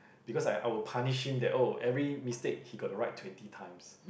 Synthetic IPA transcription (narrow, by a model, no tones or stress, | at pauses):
b̥ikɔsaɪʔa̰ɪwəlpʰaniʃhĩmdɛtoʔɛvɹimistek̚hiɡɔtəɹaɪtːʰwɛ̃ntitʰãj̃ms